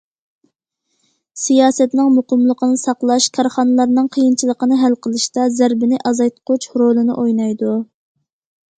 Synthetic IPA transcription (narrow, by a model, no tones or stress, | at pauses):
sijɑːsɛt̪nɪŋmuqəmlˠəqənɨsɑqlˠɑʃkʰɑɾχɑnɨlˠɑɾnɨŋqʰəjint͡ʃʰilˠəqənɨɦælqʰəlˠɨʃt̪ɑzæɾbɪnɪʔɑzɑjt̪qʰʊt͡ʃʰɾolˠɨnɨ̰ʔojnɑjd̪u